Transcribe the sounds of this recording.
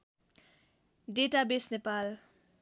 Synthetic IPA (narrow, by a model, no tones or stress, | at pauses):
ɖeʈabesnepal